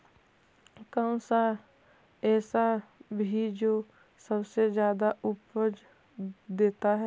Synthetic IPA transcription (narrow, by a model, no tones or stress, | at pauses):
kaʊ̃sa | ɛːsabʱid͡ʒoː | səbsed͡ʒjaːd̪aʊpəd͡ʒ | d̪eːt̪aɦɛ